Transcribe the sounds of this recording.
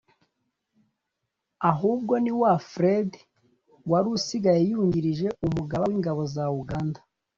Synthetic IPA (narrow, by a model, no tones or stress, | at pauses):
aɦuːb̚ɡo̞niwafɾed | waɾusiɡajejuɲɟiɾiʒe̞umuɡaβawiŋɡaβo̞zauɡandḁ